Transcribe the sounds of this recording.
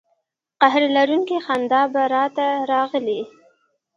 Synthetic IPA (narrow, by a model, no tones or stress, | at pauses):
qaɦɾelaɾuŋkexand̪ɑbaɾɑt̪aɾɑɣəli